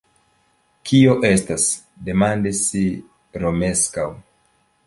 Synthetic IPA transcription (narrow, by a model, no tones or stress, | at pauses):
kʰio̞ʔe̞stas | de̞mandisːi | ɾo̞me̞skaw